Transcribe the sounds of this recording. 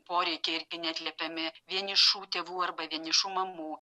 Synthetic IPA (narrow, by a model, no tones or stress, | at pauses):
poːɾʲɛɪkʲeːɪɾʲɡʲɪnʲæt̪ʲlʲɛpʲɛmʲɪʋʲiɛnɪʃuːt̪ʲeːʋuːɐrbɐʋʲiɛnɪʃuːmɐmuː